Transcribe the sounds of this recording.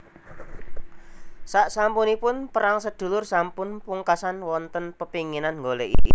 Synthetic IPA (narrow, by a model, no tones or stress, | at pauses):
saʔsampunipʊnpəɾaŋsəd̪̥ṳlʊrsampʊnpuŋkasanwɔnt̪ənpəpiŋinanŋɡolɛʔḭ